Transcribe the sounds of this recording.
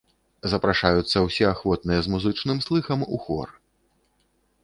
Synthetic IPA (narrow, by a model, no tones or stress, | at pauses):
zɐpɾaʂajut̪sːɐwsʲɛaxvɔt̪nɨjɛzmuzɨt͡ʂnɨmslˠɨxɐmuxɔ̰r